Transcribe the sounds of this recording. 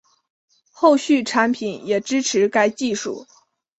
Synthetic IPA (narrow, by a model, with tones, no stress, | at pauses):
xo˥˧ʊɕy˥˩ʈ͡ʂʰa˧˥npʰi˨˩˦njɛ˨˩ʈ͡ʂɻ̩˥ʈ͡ʂʰɻ̩˧˥ka˧˥ɪt͡ɕi˥˧ʂṵ˥˩